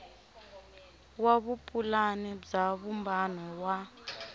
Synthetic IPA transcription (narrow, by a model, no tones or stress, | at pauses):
waβupʼulanib͡ʐaβumbanɔwa